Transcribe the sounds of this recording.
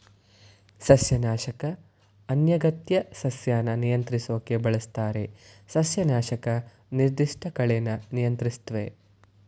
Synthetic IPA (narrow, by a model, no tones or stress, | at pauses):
sɐsjɐnaːʃɐkɐ | ɐnjɐɡɐt̪jɐsɐsjaːnɐnijɐnt̪ɾisoːkːebɐɭɐst̪aːɾe̞sɐsjɐnaːʃɐkɐ | niɾd̪iʂʈʰɐkɐɭenɐnijɐnt̪ɾist̪ʋe